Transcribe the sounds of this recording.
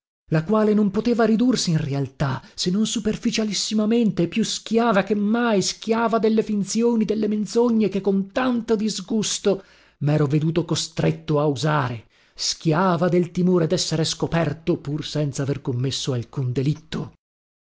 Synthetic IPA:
lakwaːlenompot̪eːvaɾid̪ursiinrealt̪asenːonsuperfit͡ʃalisːimament̪eɛpːjusk̟jaːvakemːajsk̟jaːvad̪elːefint̪sjoːnid̪elːemend̪t̪zoɲːekekːont̪ant̪od̪izɡust̪o | mɛːɾoved̪uːt̪okost̪ɾet̪ːoauzaːɾe | sk̟jaːvad̪elt̪imoːɾed̪ɛsːeɾeskopɛrt̪opursɛnt̪saverkomːesːoalkund̪elit̪ːo

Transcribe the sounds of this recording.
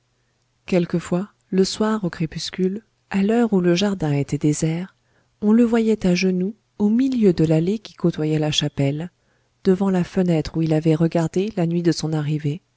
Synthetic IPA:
kʲɛlkəfwa | ləswaʁokχepyskʲyl | alœʁuləʒaʁd̪ɛ̃et̪ɛd̪ezɛːʁ | ɔ̃ləvwajɛt̪aʒənu | omiljød̪əlalekʲi̥kot̪wajɛlaʃapɛl | d̪̥əvɑ̃lafənɛt̪χuilavɛʁəɡaʁd̪elanɥid̪əsɔ̃naʁive

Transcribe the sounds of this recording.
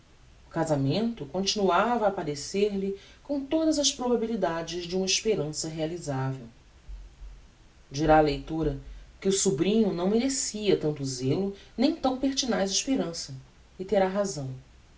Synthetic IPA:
ʊkazamẽnt̪ʊkõnt͡ʃinuavɐːpaɾeseɾlɪkõw̃t̪od̪ɐzɐspɾobabilid̪ad͡ʒɪʒd͡ʒɪũmɐiʃpeɾɐ̃sɐɦealizavew | d͡ʒiɾaːlejt̪uɾɐkɪʊsubɾĩɲʊnɐ̃w̃meɾesiɐt̪ɐ̃nt̪ʊzelʊnẽj̃t̪ɐ̃w̃peɾt͡ʃinajzɪiʃpeɾɐ̃sɐ | ɪt̪eɾaɦazɐ̃w̃

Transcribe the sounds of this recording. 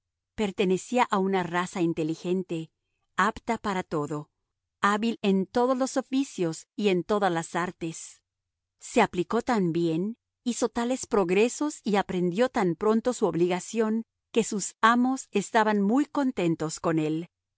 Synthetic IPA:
pe̞ɾt̪e̞ne̞siaʔaunarasaint̪e̞lixe̞nt̪e̞ | apt̪apaɾat̪o̞ðo̞ | aβile̞nt̪o̞ð̞o̞zlo̞so̞fisjo̞sie̞nt̪o̞ðazlasaɾt̪e̞sː | e̞apliko̞t̪ambje̞n | iso̞t̪ale̞spɾo̞ɣɾe̞so̞siapɾe̞nd̪jo̞t̪ampɾo̞nt̪o̞suoβliɣasjo̞ŋ | ke̞susamo̞se̞st̪aβanmujko̞nt̪e̞nt̪o̞sko̞ne̞l

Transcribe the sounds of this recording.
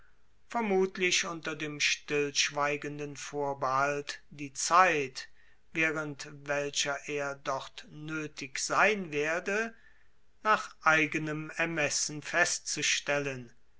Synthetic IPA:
fɛɐmuːtlɪʃʊntɐdeːmʃtɪlʃv̥aɪɡəndənfoːɐbəɦaltd̥iːt͡saɪt | veːʁəntvɛlʃɐʔeːɐdɔχtnøːtʰɪkz̥aɪnveːɐdə | naːχʔaɪɡənəmɛɐmɛsn̩fɛstt͡suʃtɛlən

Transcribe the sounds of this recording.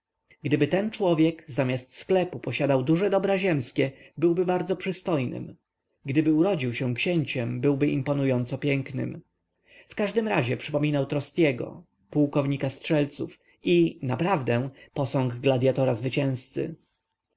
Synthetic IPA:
ɡd̪ɘbɘt̪ɛnt͡ʂwɔvʲjɛkzamʲjast̪sklɛpupɔɕad̪awd̪uʐɛd̪ɔbɾaʑɛmskʲɛbɘwbɘbaɾd̪zɔpʂɘst̪ɔjnɘ̰m | ɡd̪ɘbɘuɾɔd͡ʑiwɕɛ̃w̃kɕɛɲt͡ɕɛmbɘwbɘʔimpɔnujɔnt̪sɔpʲjɛŋknɘ̰m | fkaʐd̪ɘmɾaʑɛpʂɘpɔmʲinawt̪ɾɔst̪ʲjɛɡɔ̰ | puwkɔvɲikastʂɛlt̪suf | inapɾavd̪ɛpɔsɔ̃ŋɡɡlad̪jat̪ɔɾazvɘt͡ɕɛ̃w̃st̪sɘ̰

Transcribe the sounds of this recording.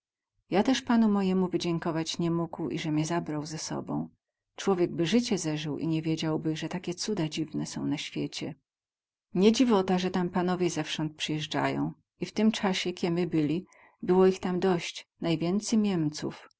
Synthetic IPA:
jat̪ɛʂpanumɔjɛmuvɘd͡ʑɛŋkɔvat͡ɕɲɛmuɡwḭʐɛmʲjɛzabɾawzɛsɔ̰bɔ̰̃w̃ | t͡ʂwɔvʲjɛɡ̚bɘʐɘt͡ɕɛzɛʐɘwʔḭɲɛvʲjed͡ʑawbɘʐɛt̪akʲɛt̪sud̪ad͡ʑivnɛsɔ̰̃w̃naɕfʲjet͡ɕɛ̰ | ɲɛd͡ʑivɔt̪aʐɛt̪ampanɔvʲjɛzɛfʂɔnt̪̚pʂɘjɛʐd͡ʐa̰jɔ̰̃w̃ | ift̪ɘmt͡ʂaɕɛkʲɛmɘbɘlʲi | bɘwɔixt̪amd̪ɔɕt͡ɕnajvʲjɛnt̪sɛjmʲjɛmt̪sṵf

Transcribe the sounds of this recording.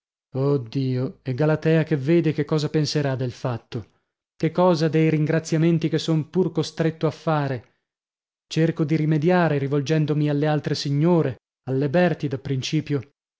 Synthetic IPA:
od̪ːiːoeɡalat̪ɛːakevːeːd̪ekekːɔːzapenseɾad̪ːelfat̪ːo | kekːɔːzad̪ejɾiŋɡɾat̪sːjament̪ikesːompurkost̪ɾet̪ːoafːaːɾe | t͡ʃerkod̪iɾimed̪jaːɾeɾivold͡ʒɛnd̪omialːealt̪ɾesiɲːoːɾe | alːebɛrt̪id̪apːɾint͡ʃiːpjo

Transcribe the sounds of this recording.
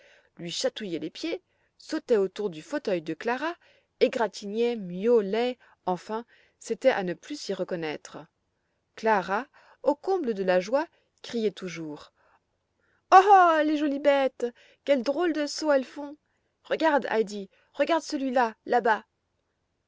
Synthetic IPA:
lɥiʃat̪ujɛlepje | sot̪ɛot̪uʁd̪yfot̪œjd̪əklaʁa | eɡʁat̪ʰinjɛmjolɛ | ɑ̃fɛ̃ | set̪ɛʔa̰nəplysiʁəkɔnɛt̪χə | klaʁa | okɔ̃bləd̪əlaʒwa | kχijɛt̪uʒuːʁ | ɔleʒɔlibɛt̪ | kʲɛld̪ʁold̪əsoɛlfɔ̃ | ʁəɡaʁd̪a̰jd̪i | ʁəɡaʁd̪səlɥilalaba

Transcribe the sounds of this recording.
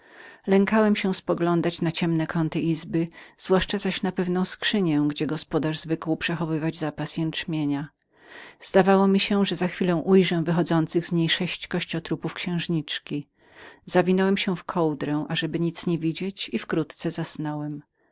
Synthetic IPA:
lɛŋkawɛmɕɛ̃spɔɡlɔnd̪at͡ɕnat͡ɕɛmnɛkʰɔnt̪ɨʔizbɘz̥vwaʂt͡ʂazaɕnapɛvnɔ̃w̃skʂɘɲɛ̃ɡd͡ʑɛɡɔspɔd̪aʐzvɘkwupʂɛxɔvɘvad͡ʑzapasjɛnt͡ʂmʲjeɲa | z̥d̪avawɔmʲiɕɛʐɛzaxfʲilɔ̃w̃ʔujʐɛ̃vɘxɔd̪zɔnt̪sɘɣzɲejʂɛɕt͡ɕkɔɕt͡ɕɔt̪ɾupufkɕɛ̃w̃ʐɲit͡ʂkʲi | zavʲinɔwɛmɕɛfkʰɔwd̪ɾɛw̃ʔaʐɛbɘɲit̪sɲevʲid͡ʑet͡ɕifkɾut̪t̪sɛzasnɔwɛm

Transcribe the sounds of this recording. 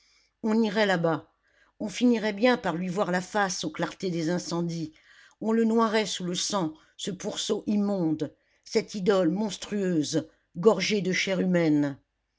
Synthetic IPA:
ɔ̃niʁɛlaba | ɔ̃finiʁɛbjɛ̃paʁlɥivwaʁlafasoklaʁt̪ed̪ezɛ̃sɑ̃d̪i | ɔ̃lənwaʁɛsuləsɑ̃ | səpuʁsoʔimɔ̃d̪ | sɛt̪id̪ɔlmɔ̃st̪χyøːz | ɡɔʁʒed̪əʃɛʁymɛn

